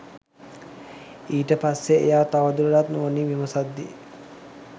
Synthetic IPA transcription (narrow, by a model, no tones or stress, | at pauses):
iːʈəpasːeḛjaːt̪aʋəd̪uləlat̪nuːniʋiməsad̪ːḭ